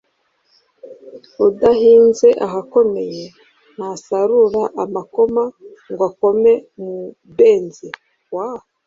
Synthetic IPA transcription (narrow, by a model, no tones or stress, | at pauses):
udaɦiːnze̞ʔaɦako̞me̞je̞ | n̥asaɾuɾaʔamako̞maŋɡwako̞me̞mu | beːnzi | waho